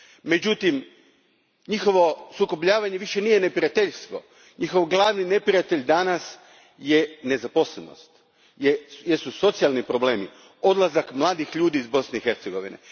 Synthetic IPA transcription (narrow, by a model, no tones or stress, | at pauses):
me̞d͡ʑut̪im | ɲixo̞ʋo̞suko̞pʎaːʋaɲe̞ʋiʃe̞nijene̞pɾiat̪e̞ʎst̪ʋo̞̰ | ɲixoʋɡlˠaːʋnine̞pɾiat̪e̞ʎd̪anas | je̞ne̞zapo̞sleno̰st̪ | jejesuso̞t̪sijalˠnipɾo̞ble̞ːmi | o̞d̪lˠazakmlˠaːd̪ixʎuːd̪iːzbo̞sneixe̞ɾt̪seɡo̞ʋḭnḛ